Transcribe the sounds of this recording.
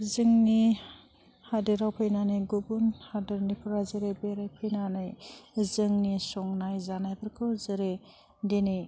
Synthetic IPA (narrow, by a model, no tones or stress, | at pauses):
zɯŋni | hadɯɾawpʰɯjnanɯjɡubunhadɯɾnipʰuɾazɯɾebeɾajpʰɯjnanɯjzɯŋnisɔŋnajzanajbʰɯɾkʰɯwzɯɾe | denɯj